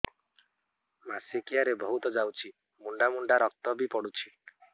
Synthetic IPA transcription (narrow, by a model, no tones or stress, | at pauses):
masikijaɾebɔɦut̪ɔd͡ʒawt͡ʃʰi | muɳɖamuɳɖaɾɔk̚t̪ɔbipɔɽut͡ʃʰi